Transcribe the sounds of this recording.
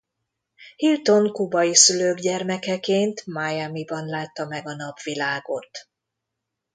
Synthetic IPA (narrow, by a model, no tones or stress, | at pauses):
hilt̪o̞ŋkubɒjisyløːɡɟɛrmɛkɛkeːnt̪majɛmibɒnlaːt̪ːɒmɛɡɒnɒbʋilaːɡo̞t̪